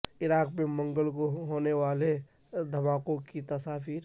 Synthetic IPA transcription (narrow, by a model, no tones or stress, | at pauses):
ɪɾaːk̚pemɐ̃ŋɡəlkoɦoːneʋaːle | d̪ʱɐmaːkõkit̪ɐsaːfiːɾ